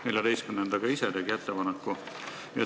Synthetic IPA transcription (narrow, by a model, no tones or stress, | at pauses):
elʲjɑd̪e̞jst̪kymnend̪̥ɑɡ̥ɑised̪eɡiæt̪ːepɑnɑkːu | jɑ